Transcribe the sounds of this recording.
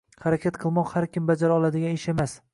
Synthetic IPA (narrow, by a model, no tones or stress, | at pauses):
haɾakʲʰat̪qʰɨlˠmɒqhaɾkʲʰɪmbad͡ʒaɾɒlˠad̪ɪɡʲanɪʃe̞mas